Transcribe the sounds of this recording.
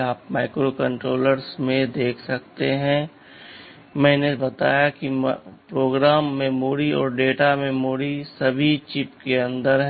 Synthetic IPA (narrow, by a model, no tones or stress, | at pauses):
aːpmaːɪkɾokə̃ɳʈɾoːləɾsmẽd̪eːkʰsɐkt̪eɦɛ̃ | mɛ̃ːnebɐt̪a̰ːjakipɾoːɡɾaːmːẽmoːɽiɔ̰ːɾɖeːʈamẽmoːɽisɐbʱit͡ʃɪpkeɐ̃nd̪əɾɦ